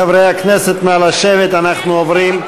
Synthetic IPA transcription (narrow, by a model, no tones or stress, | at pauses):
avɾeɪaknɛsɛtmɪalaʃɛvɪtanaχnuovɾiːm